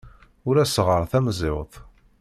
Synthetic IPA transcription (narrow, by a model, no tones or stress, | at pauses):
ʊɾæsʁəɾˤθæmzˤɪwðˤ